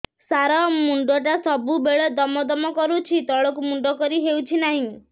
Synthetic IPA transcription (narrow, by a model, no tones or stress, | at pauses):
saɾɔmuɳɖɔʈasɔbubeɭɔd̪ɔmɔd̪ɔmɔkɔɾut͡ʃʰit̪ɔɭɔkumuɳɖɔkɔɾiɦewt͡ʃʰinaɦĩ